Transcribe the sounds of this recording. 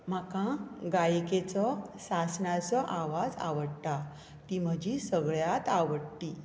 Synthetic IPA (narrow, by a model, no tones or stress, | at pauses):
m̤akãɡajket͡sɔsasnat͡sɔʔaʋad͡za̰ʋəɽt̪a | t̪im̤əd͡ʑisəɡɭjat̪aʋəɽt̪i